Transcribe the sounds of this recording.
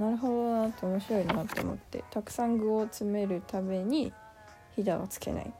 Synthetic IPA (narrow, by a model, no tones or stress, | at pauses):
naɾɯ̟ɦo̞d̪o̞βat̪ːoomoɕiɾo̞inaːt̪ːo̞o̰mo̞̰t̪ːe̞̰t̪akɯ̟̥sãŋɡɯ̟ot͡sɨme̞ɾɯ̟t̪ame̞ɲ̟i | çid̪aβa̰t͡sɨ̥ke̞̰na̰ḭ